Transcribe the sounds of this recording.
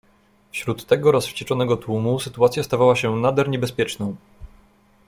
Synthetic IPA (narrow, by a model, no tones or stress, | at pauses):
fɕɾut̪ːɛɡɔɾɔsft͡ɕɛt͡ʂɔnɛɡɔt̪wumusɘt̪uat̪sʲjast̪avawaɕɛnad̪ɛɾɲɛbɛspʲjɛt͡ʂnɔ̃w̃